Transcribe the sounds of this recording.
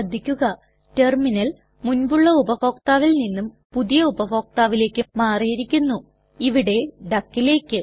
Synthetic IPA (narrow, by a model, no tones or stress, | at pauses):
ɐd̪ʱikʲːuɣɐ | te̞rminɐl | munbuɭːɐubɐfo̞ːkt̪aːʋilninːum | puðijɐubɐfo̞ːk̚t̪aːʋile̞ːkːɨmaːrijɾikʲːunːu | iʋiɽe̞ɖɐkːile̞ːkʲːɨ